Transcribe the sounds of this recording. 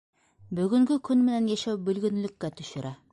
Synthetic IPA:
bɵ̆ɡɵ̆ŋɡɘkʰɵnmɘ̆nænjæʃæwbɵ̆lɡɵ̆nlɵ̆kːæt̪ɵ̆ʃɵ̆ɾʔæ

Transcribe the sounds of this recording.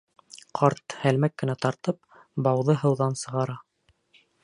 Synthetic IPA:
qʰɑɾt̪hælmækːɘ̆næt̪ɑɾt̪ɤp̚ | bɑwðɤɦɤ̆wðɑnsɤ̆ʁɑɾɑ

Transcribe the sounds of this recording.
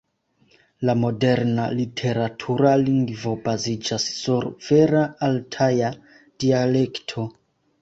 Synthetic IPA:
lamo̞de̞ɾna̰litʰe̞ɾatʰuɾaliŋɡvo̞bazid͡ʒasːuɾv̥e̞ɾaːltʰaja | d̥iale̞ktʰo̞

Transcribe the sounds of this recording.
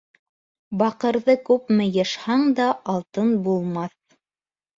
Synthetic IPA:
bɑqɤ̆ɾðɤkʉpmɘ̆jɤ̆ʃhɑɴd̪ɑɑlˠt̪ɤnbulˠmɑθ

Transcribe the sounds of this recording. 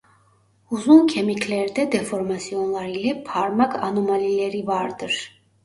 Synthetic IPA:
uzuncʰemicʰlʲæɾd̪ɛd̪efo̞ɾmasijo̞nlˠaɾilʲɛpʰaɾmakʰanomalʲilʲeɾivaɾd̪ɯɾ̥

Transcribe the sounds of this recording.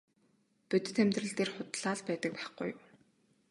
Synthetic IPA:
pɵt̪ɘ̥̆t̪ʰːæmt̪rə̆ɮt̪eːrχʊt̪ɮaːɮpæːt̪ə̆k̚pæːχɡṵjm

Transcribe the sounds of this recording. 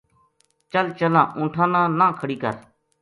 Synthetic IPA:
t͡ʃəlt͡ʃəlãːʔũːʈʰãːnãːnãːkʰəɽiːkə̰ɾ

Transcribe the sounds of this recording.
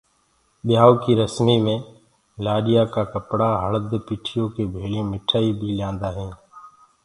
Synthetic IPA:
ɓɪjaːoːkiːɾəsmiːmẽː | laːɗɪjaːkaːkəpɽaːɦəɭd̪piːʈʰɪjõːkeːbʱeːljõːmɪʈʰaːiːbʱiːljãːnd̪aːɦẽː

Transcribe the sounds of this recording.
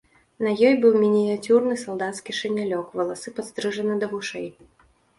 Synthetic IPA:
nɐjɔjbɨwmʲinʲiat͡sʲurnɨsɐlˠd̪at̪skʲiʂɛnʲalʲɔkvɐlˠasɨpat̪st̪ɾɨʐɐnɨd̪ɐɣuʂɛj

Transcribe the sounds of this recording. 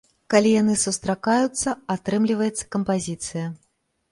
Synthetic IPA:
kalʲijanɨsust̪ɾakajut̪sːɐat̪ɾɨmlʲivɐjɛt̪sːɐ̥kɐmpazʲit̪sɨjɐ

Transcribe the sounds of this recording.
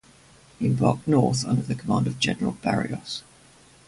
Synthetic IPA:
ɪ̃mbɒ̰ˑk̚nɔˑθʌ̰̃ndəðəkʰəmɑ̃ːˑndəvd͡ʒɛ̰nəɹəlˠb̥a̰ɹḭəs

